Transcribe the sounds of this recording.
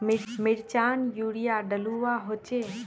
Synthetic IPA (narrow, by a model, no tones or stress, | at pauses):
mmɪɾt͡ʃaːnjuːɽijaɖəluwaɦot͡ʃe